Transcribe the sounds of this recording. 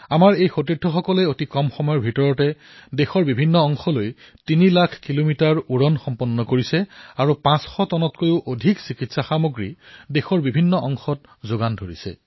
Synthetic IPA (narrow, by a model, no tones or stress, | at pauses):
amaɹejxotidʱʰɔxɔkɔlɛotikɔmxɔmɔjɔɹbʱitɔɹɔtɛ | dexɔɹbibʱinːɔɔŋxɔloj | tinilakʰkilomitaɹuɹɔnxɔmpɔnːɔkoɹisɛaɹupãsxɔtɔnɔtkojʊʔodʱiksikitsaxamoɡɹidexɔɹbibʱinːɔʔɔŋxɔt | zoɡandʱoɹḭsɛ̰